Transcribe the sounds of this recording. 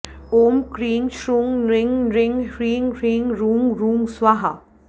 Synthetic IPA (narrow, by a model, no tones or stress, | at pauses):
oːmkɾiːŋʃɾuːŋɾɪŋɡɾɪŋɡɾiːŋɡɾiːŋɡɾuːmɾuːmswaɦa